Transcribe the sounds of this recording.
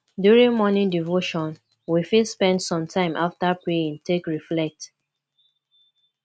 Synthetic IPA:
djuɹĩŋmɔnĩŋdivoʃɔ̃n | wifilspɛ̃ndsɔ̃mtʰãɪ̃mʔaftapɹeĩŋtʰekɹiflɛk̚t

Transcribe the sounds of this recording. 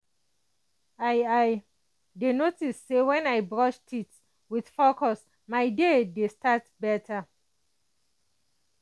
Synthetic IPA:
ajaj | denotisːewɛ̃najbɹɔʃtʰit | wid̥fokʰɔs | maɪdedestatbɛtʰa

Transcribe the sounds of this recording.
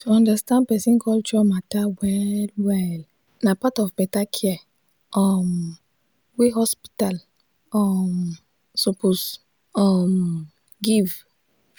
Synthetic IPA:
tuɔ̃ndastãnd̚pɛsĩnkʰɔlt͡ʃɔmatawɛlwɛl | napatɔfbɛtakʰɛ | ɔm | wiɦɔspi̥tal | ɔm | sopos | ɔm | ɡiv

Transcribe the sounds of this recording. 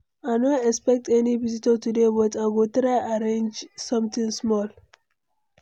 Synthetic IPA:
aɪnoɛkspɛk̚tʰɛnivizitətudebɔtaɡotɾaɪʔaɾẽnd͡ʒsʌ̃mt̪ɪ̃ŋsmɔl

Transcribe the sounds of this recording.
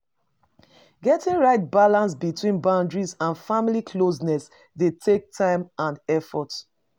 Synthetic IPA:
ɡɛtĩŋɹaɪt̚balãnsbitʰwĩnbãʊ̃ndɹizãnfamilikʰlosnɛs | detʰek̚tʰãɪ̃mãnɛfɔt

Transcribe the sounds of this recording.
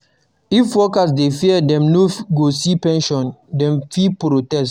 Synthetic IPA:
ifwɔkas̬defiɛdɛ̃mnoɡosipɛ̃nʃɔ̃ndɛ̃mfipɾotɛst

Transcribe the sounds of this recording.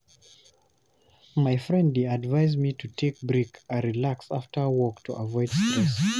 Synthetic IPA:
maɪfɹɛ̃ndiadvaɪzmitʰutʰek̚bɹikʰəɹilaksaftə˞wɔktʰuʔəvɔɪd̥stɹɛs

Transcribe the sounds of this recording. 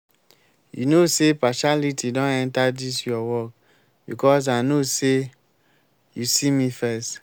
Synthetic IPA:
jṵnosepaʃalitidɔ̃nɛ̃ntadisjɔwɔk | bikɔs̬anose | jusimifɛst

